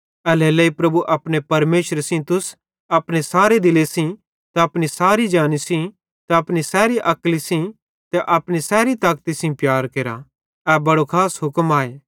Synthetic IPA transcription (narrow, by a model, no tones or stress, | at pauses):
ɛlɛlɛipɾɐbuʔɐpɽ̃epɐɾmeːʃəɾsĩt̪ʊs | ɐpɽ̃esaːɾed̪ɪlesĩ | t̪aɐpɽ̃isaːɾid͡ʒaːnisĩ | t̪aɐpɽ̃isɛːɾiʔɐklisĩ | t̪ɛʔɐpɽ̃isɛːɾit̪aːk̚t̪isĩpjaːɾkeːɾa̰ | ɛbɐɽokʰaːsɦʊkmaːeː